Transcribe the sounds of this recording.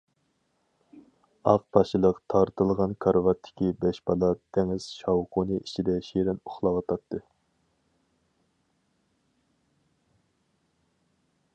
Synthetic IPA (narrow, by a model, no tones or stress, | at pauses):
ɑq̚pɑʃilˠəqt̪ʰɑɾt̪ɨlˠʁɑnkʰɑɾvɑt̪ʰːɪ̥kʲibɛʃbɑlˠɑt̪ʰɛŋɪz̥ʃɑwqʰunɨʔit͡ʃʰid̪ɛʃeɾɪnuχlˠɑwɑt̪ʰɑt̪ʰːɨ